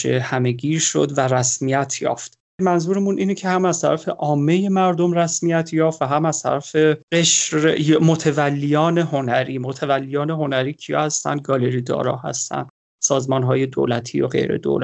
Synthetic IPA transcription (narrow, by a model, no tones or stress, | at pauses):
ḛhæme̞ɡiːɾʃod̪væɾæsmijæt̪ʰjɒ̰ːft̪ | mænzuːɾemunʔiːnecʰe̞hæmæz̥t̪ʰæɾæfe̞ʔɒːmːe̞je̞mæɾd̪omræsmijæt̪ʰjɒːft̪væɦæmæz̥t̪ʰæ̰ɾæfeeʃɾejmot̪ʰevælːijɒːne̞ɦo̞næɾiːmot̪ʰevælːijɒːneɦo̞næɾiːcʰijɒ̰ːhæst̪æ̰nd̪̚ɡɒːle̞ɾid̪ɒ̰ːɾɒ̰ːhæ̰st̪æ̰nd̪ | sɒːzmɒːnɦɒːje̞d̪o̰læt̪ʰijo̰ɣe̞̰jɾe̞̰d̪o̰læ